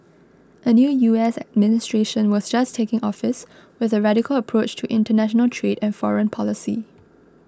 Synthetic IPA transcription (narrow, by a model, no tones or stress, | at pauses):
ʔənjuːjuɛsə̰d̚mɪnɪstɹeʃə̃nwɔsd͡ʒastʰekɪ̃ŋʔɔfɪs | wɪðəɹaɾɪkələpʰɹot͡ʃtʰuʔɪ̃ntənæʃɔnəltʰɹedɛ̃nfɔɹə̃npʰɔlɪsḭ